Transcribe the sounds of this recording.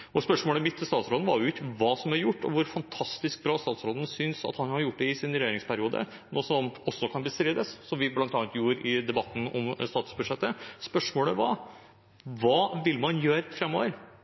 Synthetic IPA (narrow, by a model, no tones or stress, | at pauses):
ʔɔspœʂmoːləmɪt̪ʰːɪst̪ɑːt̪sɾoːd̪n̩ʋɑɾjʊɪkːəʋɑːsɔmæɾjʊʈːɔ̰ʋʊɾfɑnt̪ʰɑst̪ɪsk̚bɾɑːst̪ɑːt̪sɾoːd̪n̩sʏnsɑ̰t̪hɑnhɑɾjʊʈ̚ːɖ̪ɛɪsɪnɾɛjeːɾɪŋspʰæɾɪuːd̪ə̰ | noːsɔmɔsːɔkʰɑnbəsɾiːd̪əsːɔmʋɪblɑnt̪ɑːɑnt̪juːɾɪd̪ɛbɑt̪ːn̩ɔ̰mst̪ɑːt̪ʉ̥sbʉd̪ʂɛt̪ːəspœʂmoːləʋɑ̰ː | ʋɑːʋɪlːmɑnjøːɾfɾɛmːo̰ːʋəɾ